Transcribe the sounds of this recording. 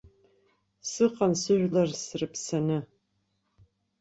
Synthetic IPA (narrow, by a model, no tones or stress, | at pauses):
sɨqɐnsɨʒʷlɐrsɨrɨpsɐnɨ